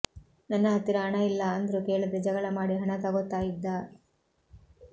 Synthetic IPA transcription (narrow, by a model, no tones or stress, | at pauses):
nɐnːɐɦɐt̪ːiɾɐɦɐɳɐilːɐːnd̪ɐɾuke̞ːɭud̪ed͡ʒɐɡɐɭɐmaːɽiɦɐɳɐt̪ɐɡot̪ːaːjid̪ːa